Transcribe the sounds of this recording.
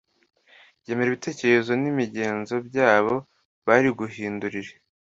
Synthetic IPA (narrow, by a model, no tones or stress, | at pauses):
je̞ːmeɾiβite̞ːceɾe̞zo̞nimiɟe̞ːnzo̞bjaːβo̞ | βaɾiɡuɦiːnduɾiɾe̥